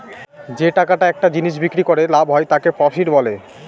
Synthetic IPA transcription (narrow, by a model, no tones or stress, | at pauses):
d͡ʑeʈakaʈaɛk̚ʈad͡ʑiniʃ̬bikɾikoɾelabʱɦɔet̪akepɔʃiɾbɔle